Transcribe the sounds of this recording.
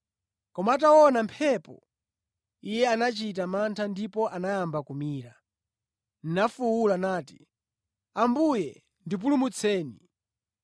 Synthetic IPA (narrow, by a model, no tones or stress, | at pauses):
kɔmaat̬aɔnampʰɛpɔ̰ | ijɛanat͡ʃit̬amantʰandipɔʔanajambakumiːɾa | ninafuwulanaːtḭ | ambujɛ | ndip̬ulumut͡sʰɛːni